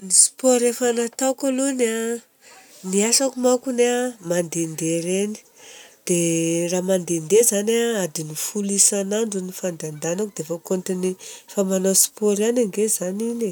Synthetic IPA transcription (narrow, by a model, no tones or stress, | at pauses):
nispoɾefanat̪awkaluna | niasakumakuneamand̪end̪eɾeni̥ | d̪̥eraːmand̪end̪ezanaad̪inifulisanaɳɖ͡ʐunifand̪and̪anakud̪eafakont̪inifamanospoɾanaŋɡezanine